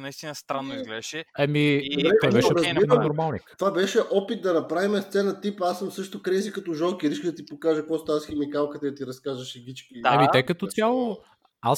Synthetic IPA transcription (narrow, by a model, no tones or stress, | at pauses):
nɐist̪inəst̪ɾanːoizɡlɛʃɛɐmiɾɛt̪ɔjbɛʃɛɐziɛnoɾmalˠnit̪vabɛʃɛʔɔpit̪̚d̪ɐnɐpɾavimɛst̪sɛnɐt̪ipasəmsɤʃt̪okɾɛzikɐt̪oʒɔlkʲiɾiʃkəd̪ɐt̪ipokaʒəkɔlst̪oasxɛmikalˠkət̪əd̪t̪iɾɐskazvɐʃɛɡit͡ʃkiɐmit̪ɛkɐt̪ɔt̪ʲjalˠo | as